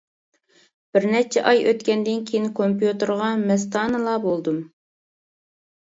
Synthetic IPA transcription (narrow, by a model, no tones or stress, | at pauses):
b̥ɪɾnɛt͡ʃʰɛʔɑjʔøt̪kʲɛnd̪ɪnkʲʰejinkʰompjut̪əɾʁɑmɛs̬t̪ɑːnɨlˠɑbolˠd̪um